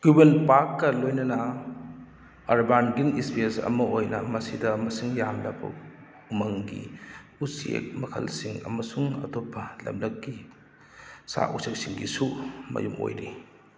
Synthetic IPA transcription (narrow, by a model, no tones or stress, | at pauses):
ɡubenpakːɐlojnɐnɐ | ɐɾbanɡiŋispiesɐ̰mɐojnɐmɐsidɐmɐsiŋjamlɐbɐ̰ | umɐŋɡḭ | usiḛk̚mɐkʰɐ̰lsiŋɐ̰mɐsuŋɐ̰topʰːɐlɐmlɐk̚ɡi | sa̰ʔusʰek̚siŋɡisumɐ̰jumo̰jɾi